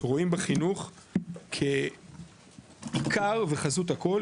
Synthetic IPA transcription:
ʁo̞imbeχinuχkʰe | ikʰaʁveχazut̪hako̞l

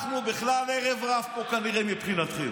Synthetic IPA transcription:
χnubeχlaleʁevʁavpo̞kaniʁemipχinat̪χḛm

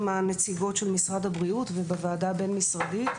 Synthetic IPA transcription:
manet͡siɡo̞tʃelmisʁad̪abʁiut̪vebevaːdabe̞nmisʁadit

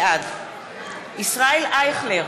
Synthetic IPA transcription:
ad̪ | isʁaelʔajeχleʁ

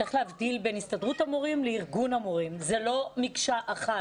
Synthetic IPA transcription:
aχleavdilbenhistadʁutamoʁimleiʁɡunamoʁimzelo̞mikʃaʔaχa

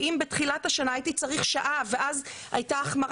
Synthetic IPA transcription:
ʔimbetχilathaʃanaːjitit͡saʁiχʃaʔaveʔaza̰jtaːχmaʁ

